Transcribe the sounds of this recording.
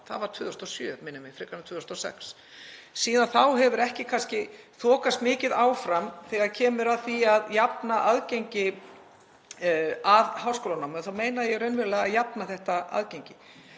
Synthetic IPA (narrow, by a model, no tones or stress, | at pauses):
θa̰ðvaɾ̥t̪ʰvʏːðʏst̪ɔsjœːmɪnʏmɪfɾɪkanʏt̪ʰvʏːðʏst̪ɔsɛ̰ks | siːðanθawɦɛvʏɾɛhcɪkʰanscɪθɔːkast̪mɪːcɪðaːwfɾamθɛːɣaðcʰɛːmʏɾaðθiaðjapnaʔaðcejɲcɪ | aðhawskowlanawmʏnθawmeːjnaðjɛɣɾœɥnvɪɾlɛɣaðjapnaθɛht̪aa̰ðcejɲcɪ